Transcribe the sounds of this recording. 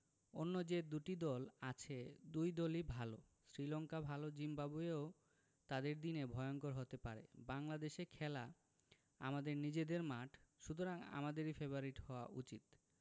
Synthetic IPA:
onːod͡ʑed̪uʈid̪ɔlat͡ɕʰed̪ujd̪olibʱalo | sɾilɔŋkabʱalod͡ʑimbabueo | t̪ad̪eɾd̪inebʱɔeoŋkoɾɦot̪epaɾḛbaŋlad̪eʃekʰɛla | a̰mad̪eɾnid͡ʑed̪eɾmaʈʰʃut̪̬oɾaŋa̰mad̪eɾifeboɾiʈhɔoaʔut͡ɕit̪

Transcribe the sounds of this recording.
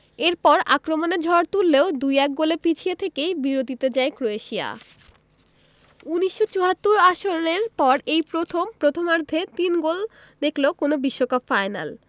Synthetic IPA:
eɾpɔɾa̰kɾomoneɾd͡ʑʱɔɾt̪ulːeod̪ujɛk̚ɡolepit͡ɕʰiet̪ʰekejbiɾod̪it̪ed͡ʑaekɾoeʃia̰ | uniʃːot͡ɕuɦat̪ːuɾaʃoneɾpɔɾejpɾot̪ʰompɾot̪ʰomaɾd̪ʱet̪inɡol | d̪ekʰlokonobiʃːokapfajna̰l

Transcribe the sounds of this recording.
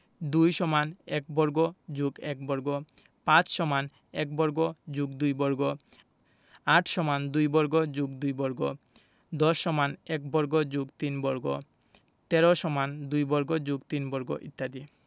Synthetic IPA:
d̪ujʃɔmanɛk̚bɔɾɡod͡ʑuɡɛk̚bɔɾɡo | pãt͡ɕʃɔman | ɛk̚bɔɾɡod͡ʑuɡd̪ujbɔɾɡo | aʈʰʃɔmand̪ujbɔɾɡod͡ʑuɡ̚d̪ujbɔɾɡo̰ | d̪ɔʃːɔmanɛk̚bɔɾɡod͡ʑuɡt̪inbɔɾɡo | t̪ɛɾoʃɔmand̪ujbɔɾɡod͡ʑuɡt̪inbɔɾɡo̰ʔḭt̪ːad̪i

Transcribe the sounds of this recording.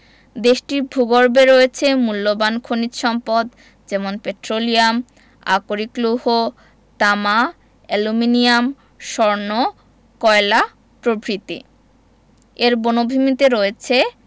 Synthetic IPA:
d̪eʃʈiɾbʱuɡoɾbeɾoet͡ɕʰemulːobankʰonit̪ʃɔmpod̪ | d͡ʑɛmonpeʈɾoliam | a̰koɾikluɦo | t̪ama | ɛluminijam | ʃɔɾno | kɔela | pɾobʱɾit̪ḭ | eɾbonobʱimit̪eɾoet͡ɕʰe

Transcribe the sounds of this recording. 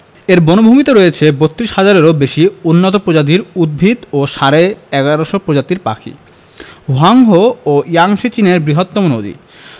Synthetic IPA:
eɾbɔnobʱomit̪oɾojet͡ɕʰebot̪ːɾiʃhad͡ʑaɾeɾobeʃiunːot̪opɾod͡ʑad̪iɾud̪̚bʱid̪oʃaɾeɛɡaɾoʃopɾod͡ʑat̪iɾpa̰kʰḭ | ɦoɦaŋɦoojaŋʃet͡ɕineɾbɾiɦot̪ːɔmonod̪ḭ

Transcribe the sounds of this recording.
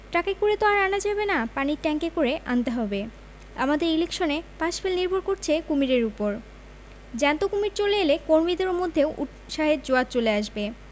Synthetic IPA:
ʈakekoɾet̪oaɾanad͡ʑabenapaniʈɛŋkekoɾeʔant̪eɦɔbe | a̰mad̪eɾilekʃonepaʃfʰelniɾbʱoɾkoɾt͡ɕʰekumiɾeɾupoɾ | d͡ʑɛnt̪okumiɾt͡ɕoleelekoɾmid̪eɾmod̪ʱːeoʔuʈ | ʃaɦeɾd͡ʑoat̪̚t͡ɕoleaʃbe

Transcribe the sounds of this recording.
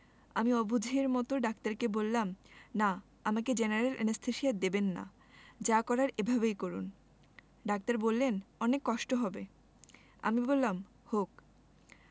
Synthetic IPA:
amiɔbud͡ʑʱeɾmɔt̪oɖak̚t̪aɾkebolːamna | amaked͡ʑenaɾelʔḛnest̪ʰeʃiat̪̚d̪ebenːa̰ | d͡ʑakɔɾaɾebʱabejkoɾun | ɖak̚t̪aɾbolːenɔnekːɔʃʈoɦɔbe | a̰mibolːam | hok

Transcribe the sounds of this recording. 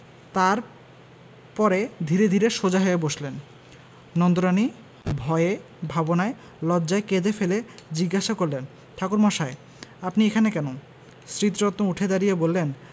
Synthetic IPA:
t̪aɾ | pɔɾed̪ʱiɾed̪ʱiɾeʃod͡ʑaɦoeboʃlenː | ɔnd̪oɾani | bʱɔee | bʱabonae | lɔdd͡ʑaeked͡ʑ̪efeled͡ʑiɡːaʃakoɾlen | t̪ʰakuɾmɔʃae | apniekʰanekɛno | sɾit̪ɾɔt̪ːouʈʰed̪aɾijebolːen

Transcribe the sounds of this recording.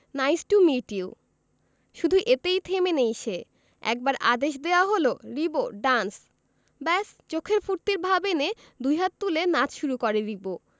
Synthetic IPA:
najsʈumiʈiw | ʃud̪ʱuʔet̪ejt̪ʰemenejʃe | ɛ̰k̚baɾʔa̰d̪eʃ̬d̪eoaɦoloɾiboɖans | bɛst͡ɕokʰeɾfuɾt̪iɾbʱabene | d̪ujɦat̪̚t̪ːulenad͡ʑʃuɾukɔɾeɾibo

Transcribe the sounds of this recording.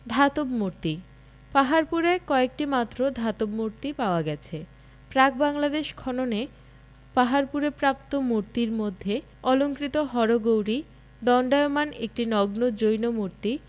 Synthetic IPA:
d̪ʱat̪obmoɾt̪i | paɦaɾpuɾekɔek̚ʈimat̪ːɾod̪ʱat̪obmoɾt̪ipaoaɡɛt͡ɕʰe | pɾak̚baŋlad̪eʃkʰɔnone | paɦaɾpuɾepɾap̚t̪omoɾt̪iɾmod̪ʱːe | ɔloŋkɾit̪oɦɔɾoɡowɾi | d̪ɔɳɖajomanḛk̚ʈinɔɡnod͡ʑojnomoɾt̪i

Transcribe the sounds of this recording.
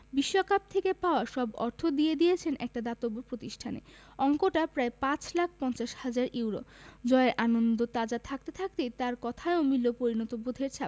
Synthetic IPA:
biʃːokap̚t̪ʰekepaoaʃɔbɔ̰ɾt̪ʰod̪ijed̪ijet͡ɕʰenʔɛk̚ʈad̪at̪obːopɾot̪iʃʈʰanḛ | ɔŋkoʈapɾaepãt͡ɕlak̚ʰpɔnt͡ɕaʃhad͡ʑaɾʔiwɾo̰d͡ʑɔeeɾʔanond̪ot̪ad͡ʑat̪ʰak̚t̪et̪ʰak̚t̪et̪aɾkɔt̪ʰaeomilːopoɾinɔt̪obod̪ʱeɾt͡ɕʰa

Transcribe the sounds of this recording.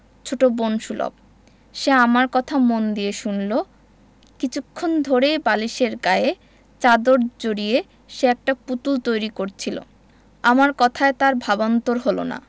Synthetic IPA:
t͡ɕʰoʈobonʃulo̰b̚ | ʃeamaɾkɔt̪ʰamond̪ieʃunlo | kit͡ɕʰukʰːond̪ʱoɾejbaliʃeɾɡae | t͡ɕad̪oɾd͡ʑoɽie | ʃeɛk̚ʈaput̪ult̪ojɾikoɾt͡ɕʰilo̰ | amaɾkɔt̪ʰaet̪aɾbʱabont̪oɾɦolo̰na̰

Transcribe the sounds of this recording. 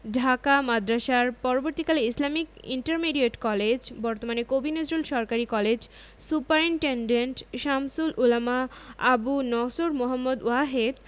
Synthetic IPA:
ɖʱakamad̪ɾaʃaɾpɔɾoboɾt̪ikaleislamikḭɳʈaɾmeɖieʈkɔled͡ʑbɔɾt̪omanekobined͡ʑɾulʃɔɾkaɾikɔled͡ʑ | supaɾiɳʈeɳɖeɳʈʃamsululamaa̰bunɔsoɾmoɦamːod̪uaɦed̪

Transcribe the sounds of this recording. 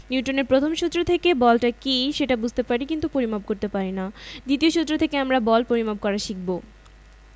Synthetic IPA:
niuʈoneɾpɾot̪ʰomʃut̪ːɾot̪ʰekebɔlʈakiʃeʈabud͡ʑʱt̪epaɾikint̪upoɾimab̚koɾt̪epaɾinad̪it̪ioʃut̪ːɾot̪ʰekeamɾabɔlpoɾimab̚kɔɾaʃik̚bo

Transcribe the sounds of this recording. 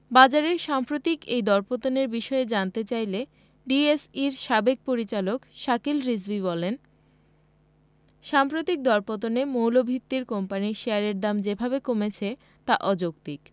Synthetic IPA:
bad͡ʑaɾeɾʃampɾot̪ikejd̪ɔɾpot̪oneɾbiʃɔed͡ʑant̪et͡ɕajle | ɖiesiɾʃabek̚poɾit͡ɕalokʃakilɾizbiβɔlen | ʃampɾot̪ik̚d̪ɔɾpot̪̬onemowlobʱit̪ːiɾkɔmpaniʃeaɾeɾd̪amd͡ʑebʱabekomet͡ɕʰe | t̪aʔɔd͡ʑok̚t̪ik

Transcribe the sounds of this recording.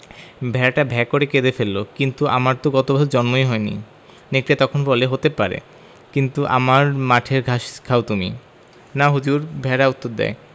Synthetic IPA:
bʱɛɾaʈabʱɛkːoɾeked̪efelːokint̪uʔa̰maɾt̪oɡɔt̪obaod͡ʑɔnmojɦɔenḭ | nek̚ʈiat̪ɔkʰonbɔleɦot̪epaɾḛ | kint̪uʔa̰maɾmaʈʰeɾɡʱaʃkʰaot̪umḭ | naɦud͡ʑuɾbʱɛɾaut̪ːoɾd̪ɛ̰e

